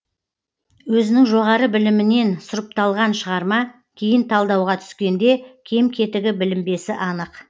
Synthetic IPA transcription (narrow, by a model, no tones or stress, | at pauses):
wɵzɪnɪŋʒo̞ʁɑɾəbɪlɪmɪne̞nsʊɾəp̚t̪ɑlˠʁɑnʃəʁɑɾmɑ | kʲʰe̞jɪnt̪ʰɑlˠd̪ɑwʁɑt̪ʰʏ̥skʲe̞nd̪e̞kʲʰe̞mkʲʰe̞t̪ɪɡʲɪbɪlɪmbe̞sɪʔɑnəq